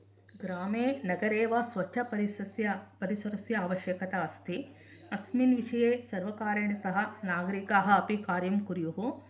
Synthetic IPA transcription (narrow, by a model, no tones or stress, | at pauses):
ɡɾaːmeːnɐɡɐɾeːʋɐsʋɐʃʰɐpɐɾisɐsjɐpɐɾisɐɾɐsjɐːʋɐʃjɐkɐt̪ɐɐst̪ʰi | ɐsminʋiʂɐjeːsɐɾʋɐkaːɾɐɳɐsɐɦɐnaːɡɐɾikaːɦɐːpikaːɾjɐmkuɾjuɦu